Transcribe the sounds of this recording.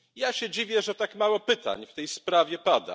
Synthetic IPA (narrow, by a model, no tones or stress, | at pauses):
jaɕɛd͡ʑivʲjɛʐɛt̪akmawɔpɘt̪a̰ɲft̪ɛjspɾavʲjɛpad̪a̰